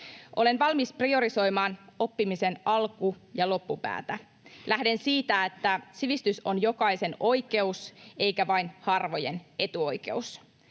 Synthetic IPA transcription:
ʔo̞̰le̞nʋɑlmisprio̞ɾiso̞jmɑːno̞pːimise̞nɑlkujɑlo̞pːupæ̰ːt̪æ | lʔæhde̞nsiːt̪æet̪ːæsiʋist̪yso̞njo̞kɑjse̞no̞jke̞use̞ijkæʋɑjnhɑrʋo̞je̞ne̞t̪uo̞jke̞̰us

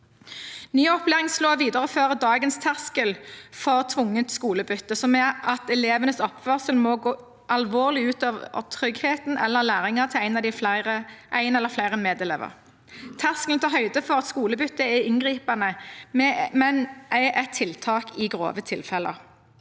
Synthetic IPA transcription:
nyːɔpleːʁɪŋsloːʋiːd̪əʁəføːʁəd̪ɑːɡənst̪ʰæʁskəlfɔʁt̪ʰʋʊŋːət̪skuːləbʏt̪ːəsɔmɛɑt̪ɛleːʋənəsɔpʋœʁsəlmɔɡoː | ʔɑlʋoːʁlɪʉːt̪oːʋə̰ʁt̪ʰʁʏɡheːt̪n̩ɛlːəʁlæːʁɪŋɑʁt̪ʰɪlæɪnɑd̪ɪflæɪʁəʔæɪnɛlːəʁflæɪʁənmeːd̪ɛlḛːʋə̰ʁ | t̪ʰæʁskəlt̪ʰɑɦœʏd̪əfɔʁɑt̪skuːləbʏt̪ːəɛɪŋɡʁiːpɑnəmɛmɛnʔæʔɛt̪ʰːɪlt̪ʰɑːkɪɡʁo̰ːʋət̪ʰɪlfɛlə̰ʁ

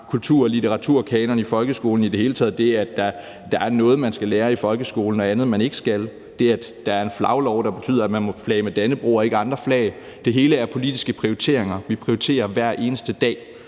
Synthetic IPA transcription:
kʰult͡sʰuɐ̰ɒlit͡sʰeʁɑ̈t͡sʰuɐ̰kʰɛːnɐnifɒ̽lɡ̥əsɡ̥o̝ːln̩id̥e̝he̝ːlət͡sʰɛð̩ˠd̥e̝æɐæd̥ɑ̈ | d̥ɑ̈æɐnɔ̽ːð̩ˠmænsɡ̥æleːɐifɒ̽lɡ̥əsɡ̥o̝ːln̩ɒænð̞̩ˠmæne̝ɡ̥ə̥sɡ̥æl | d̥e̝ææ̥d̥ɑ̈æɐe̝nflɑ̈ʊlɒʊd̥ɑ̈b̥e̝t͡sʰy̰ːð̰ˠɐæ̥mænmɔ̽flɛ̰ːmed̥ænəb̥ʁṵːɒ̽e̝ɡəɑ̈nd̥ʁɐflɛ̰ɪ | d̥e̝ɦe̝ːləæɐpʰo̝lid̥isɡ̥əpʰʁioit͡sʰe̝̰ɐeŋɐʋipʰʁioit͡sʰe̝̰ːɐʋæɐ̰ʔe̝ːnəsd̥əd̥ɛ̰ː

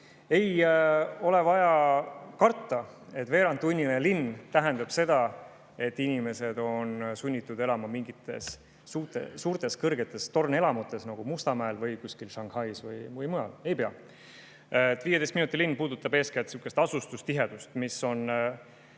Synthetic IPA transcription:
e̞j | o̞le̞vɑjɑkɑrt̪ːɑe̞t̪ve̞ːɾɑnt̪ːˑunʲːinelinːt̪æɦe̞nd̪ɑb̥se̞d̪̥ɑ | e̞t̪ːˑinʲime̞se̞d̪o̞nsunʲːit̪ːˑud̪e̞lɑmɑmiŋɡit̪ːˑe̞̰sː | uːt̪ˑḛsuːrt̪e̞skɤrɡ̥e̞t̪ːˑe̞st̪o̞rne̞lɑmut̪ːˑe̞snɑɡ̥umust̪ɑmæelvɤjkusʲkilʃɑŋhɑjsvɯjvɯjmujɑle̞jpe̞ɑ | t̪ːviːjed̪e̞jst̪minut̪ʲːˑilinːpuːd̪ut̪ːˑɑbe̞ːskelt̪suːkːˑest̪ɑsust̪ust̪iɦe̞d̪̥ust̪misːo̞n

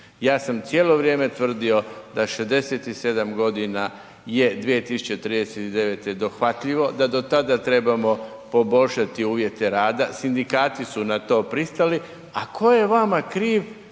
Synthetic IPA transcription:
jaːsamt̪sjeːlo̞ʋɾjeːme̞t̪ʋr̩d̪io̞d̪aʃezd̪e̞se̞t̪ise̞d̪amɡo̞d̪ina | je̞d̪ʋije̞t̪isu̥t͡ɕe̞t̪ɾiːd̪eset̪id̪e̞ʋe̞t̪e̞d̪o̞xʋat̪ʎiʋo̞d̪ad̪o̞t̪ad̪at̪ɾe̞bamo̞ | po̞bo̞ʎʲʃat̪iuːʋje̞t̪e̞ɾaːd̪asind̪ikaːt̪isunat̪o̞ːpɾist̪ali | akʰo̞je̞ʋamakɾiːʋ

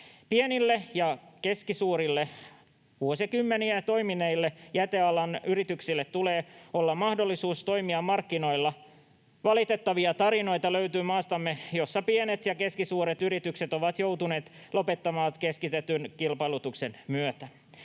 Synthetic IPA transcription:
pienilːe̞jɑkeskisuːɾilːe | ʋuosikymːeniæt̪o̞jmineilːejæt̪e̞ɑlɑnyɾit̪yksilːet̪tuleːo̞lːɑmmɑhdolːisuːst̪o̞imiɑmːɑrkːino̞ilːɑ | ʋɑlit̪e̞t̪ːɑʋiɑt̪ɑɾino̞it̪ɑløɥt̪yːmɑːst̪ɑmːejo̞sːɑpienet̪jɑke̞skisuːɾet̪yɾit̪ykset̪o̞ʋɑt̪jo̞wt̪une̞ːt̪ | lo̞pe̞t̪ːɑmɑːt̪keskit̪et̪ynkilpɑilut̪ukse̞nmyøt̪æ

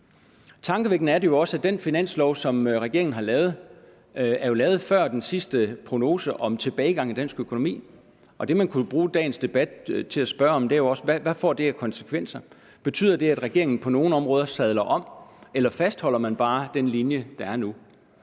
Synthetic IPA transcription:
t͡sʰɑ̈ŋɡ̥əʋeɡ̥n̩æɐɾe̝jo̝ɒ̽səæd̥enfinæn̰slɒʊ̰sɒ̽mʁɛɡ̥e̝ɐeŋn̩ɦɑ̈lɛːʊð̞̩ˠ | æɐjo̝lɛːʊð̩ˠfɶɐ̰d̥ensisd̥əpʰʁo̝no̝ːsəʔɒ̽mt͡sʰe̝b̥ɛːɪɡ̥ɑ̈ŋid̥æn̰sɡ̥økʰono̝mḭː | ɒ̽d̥e̝mænkʰub̥ʁuːd̥ɛ̰ːn̩sd̥e̝b̥æd̥t͡sʰe̝læsb̥ɶɐɒ̽md̥eɐjo̝ɒ̽səæʋæfɒ̰ːd̥e̝ækʰɒ̽nsə̥kʰʋen̰sɐ | b̥e̝t͡sʰy̰ːð̰ˠɐd̥e̝æd̥ʁɛɡ̥e̝ɐeŋn̩pʰɒ̽no̝ːn̩ɒ̽mʁɔ̽ːð̞ˠɐsæð̞ˠlɐʔɒ̽m̰elɐfæsd̥hɒ̽l̰ɐmænb̥ɑ̈ːd̥enlinjəd̥ɑ̈æɐnu

